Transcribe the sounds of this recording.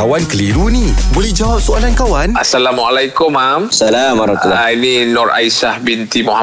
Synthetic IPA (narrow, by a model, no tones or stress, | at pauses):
awankəliɾunibolɛhd͡ʒawap̚soalankawanasalamualajkʊmːamsalamaɾat̪ulaininɔrʔa̰jsahbint̪imɔha